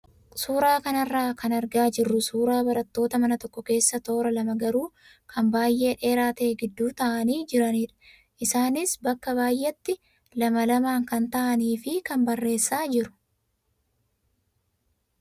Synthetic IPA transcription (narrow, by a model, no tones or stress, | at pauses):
suːɾaːkɐnɐrːaːkʰɐnɐɾɡaːd͡ʒɪrːʊsuːɾaːbɐɾɐt̪ːo̞ːt̪ɐmɐnɐt̪ɔkːɔke̞ːsːɐt̪o̞ːɾɐlɐmɐɡɐɾuː | kʰɐmbaːjʔːe̞ːᶑe̞ːɾaːt̪eːɡɪd̪ːuːt̪ɐʔɐniːd͡ʒɪɾɐniːᶑɐ̥ | ʔɪsaːnɪsbɐkːɐβaːjʔːɛt̪ːɪ | lɐmɐlɐmaːŋkɐnt̪ɐʔɐniːfɪkɐnbɐrːe̞ːsːaːd͡ʒɪɾʊ̥